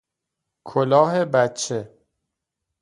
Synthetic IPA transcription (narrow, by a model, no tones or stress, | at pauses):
kʰolɒːɦe̞bæt͡ʃʰːe